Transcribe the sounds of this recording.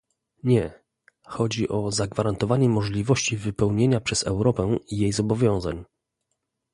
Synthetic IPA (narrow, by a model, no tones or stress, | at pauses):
ɲɛ | xɔd͡ʑiʔɔzaɡvaɾant̪ɔvaɲɛmɔʐlʲivɔɕt͡ɕivɘpɛwɲeɲapʂɛzɛ̰wɾɔpɛijejzɔbɔvʲjɔ̃w̃za̰ɲ